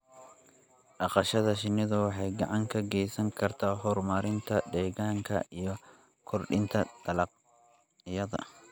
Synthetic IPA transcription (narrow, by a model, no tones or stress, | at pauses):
ɗɑqɑʃɐðɐʃɪnːɪðʊwɑħɑjɡɑʕɑŋkʰɐɡɛjsɐŋkʰɐrt̪ʰaːɦɔrmaːɾɪnt̪ʰɐd̪ɛːɣaːŋkʰɐ̰ijɔ | kʰɔrɖɪnt̪ʰɐt̪ʰɐlɐq | jɐðɐ̰